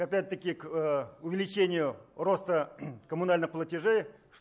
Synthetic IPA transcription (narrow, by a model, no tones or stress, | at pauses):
apʲæt̚ʲt̪ːəkʲɪkʊvʲɪlʲɪt͡ʃenʲɪjʊro̞st̪əkɐmunalʲnɨχplˠətʲɪʐejʂ